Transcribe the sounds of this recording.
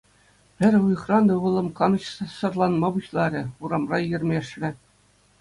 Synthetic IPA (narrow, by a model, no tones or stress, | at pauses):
pʲɘ̆ɾʲuj̆χrɑnd̪ɤ̆ʋɤ̆lˠɤ̆mkɑnɤ̆ɕsɤ̆rlˠɑnmɑbuɕlˠɑɾʲɘ̆uɾɑmrɑjɘ̆rʲmʲeʂlʲɘ̆